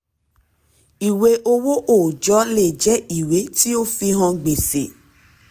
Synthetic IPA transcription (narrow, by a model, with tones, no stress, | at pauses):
i˨we˧˦ʔo˧wo˦ʔo˦˨d͡ʒɔ˨˦le˦˨d͡ʒɛ˨˦i˨we˨˦ti˦o˦fi˧ɦã˧ɡ͡be˨se˨